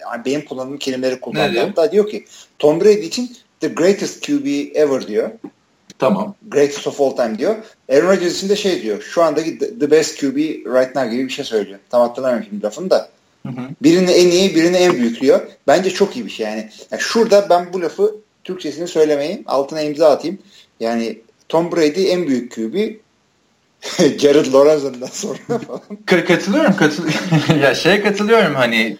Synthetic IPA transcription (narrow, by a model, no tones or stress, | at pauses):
a̰be̞nimkʰulˠːanɯːmcʰelʲimlʲeɾikʰult̪ːˠanˠjaɾmd̪aːd̪ijo̞cʰit̪ʰo̞nbɾejd̪iːt͡ʃʰin | d̪ɨɡɾejt̪ʰɛst̪̚cʰjubiɛvəɾd̪ijo | t̪ʰamaɡɾejt̪ʰɛ̥st̪ofolˠt̪ʰajmd̪ijo̞ | eɾonɾad͡ʒeɾzit͡ʃʰind̪ɛʃe̞jd̪ijo̞ʃuand̪aid̪d̪ɯbɛst̪̚cʰjuːbiɾajt̪nawɟibibiʃejsø̞jlʲijoɾumt̪ʰamat̪ʰːˠɯlˠamemʃiblʲafɯnd̪a | biɾiniɛnijibiɾiniænbyjyclʲijo̞bænd͡ʒɛt͡ʃʰo̞kijibiʃejaːnijaʃuɾd̪abænbulʲafɯ | t̪ʰyɾct͡ʃʰe̞sinisø̞jlʲe̞me̞jima̰lˠt̪ʰɯneimizaːt̪ʰɯjm | jaːni | t̪ʰombɾejd̪iænbyjycʰːuːbi | ɟaɾɯd̪lˠo̞ɾaɾzeɾind̪ænso̞nɾaalˠmkʰakʰat̪ʰɯlˠɯjo̞ɾumkʰat̪ʰɯjaʃejɛkʰat̪ʰɯlˠɯjo̞ɾumhanɪ